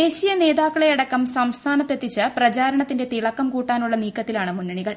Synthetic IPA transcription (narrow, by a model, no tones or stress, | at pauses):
e̞ːɕijɐne̞ːðaːkkːɐɭejɐɽɐkːɐmsɐmst̪ʰaːnɐt̪ːe̞t̪ːit͡ɕːɨprɐt͡ɕaːɾɐɳɐt̪ːinde̞t̪iɭɐkːɐmkuːʈːaːnuɭːɐniːkːɐt̪ːilaːɳɨmunːɐɳiɣɐɭ